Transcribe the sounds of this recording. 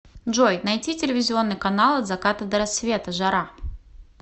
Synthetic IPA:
ʐojnɐjtʲitʲɪlʲɪvʲɪzʲɪo̞nːɨjkɐnalˠɐd̪zɐkat̪əd̪əɾɐsvʲe̞t̪əʐɐɾa

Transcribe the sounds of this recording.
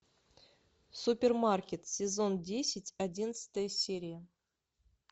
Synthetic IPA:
supʲermarkʲet̪sʲezondʲesʲɪtʲadʲinəsɨ̥t̪əjəsʲeɾʲijə

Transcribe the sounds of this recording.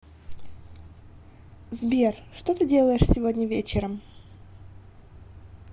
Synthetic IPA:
zbʲerʂt̪ot̪ɨdʲe̞lˠəjɪʂsʲɪvo̞dʲnʲəvʲet͡ɕɪɾəm

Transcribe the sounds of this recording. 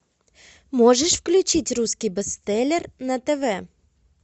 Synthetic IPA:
moʐəʂfklʲʉt͡ɕitʲruskʲijbəst̪ɛlʲernɐt̪ɛvɛ

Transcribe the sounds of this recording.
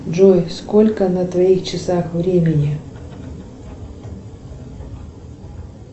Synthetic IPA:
ʐojskolʲkənɐt̪vɐixt͡ɕɪsaxvɾʲemʲɪnʲi

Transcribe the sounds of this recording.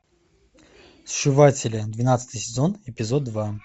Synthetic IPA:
sʂɨvatʲɪlʲɪd̪vʲɪnat̪sɨ̥t̪ɨjsʲɪzonɪpʲɪzod̪̚ːva

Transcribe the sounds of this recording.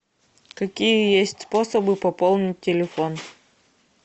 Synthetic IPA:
kɐkʲijəjesʲtʲsposəbɨpɐpolˠnʲɪt̚ʲtʲːɪlʲɪfon

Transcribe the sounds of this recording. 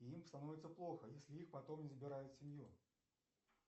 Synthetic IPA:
iimst̪ɐnovʲɪt̪səplˠo̞xəjesʲlʲɪixpɐt̪omnʲɪzəbʲɪɾajɪt̪sʲɪmʲju

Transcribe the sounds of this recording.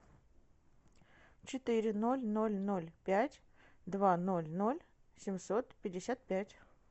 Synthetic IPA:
t͡ɕɪt̪ɨɾʲɪnolʲnolʲnolʲpʲætʲ | d̪vanolʲnolʲsʲɪmʲsot̪pʲɪdʲːɪsʲat̪̚pʲætʲ

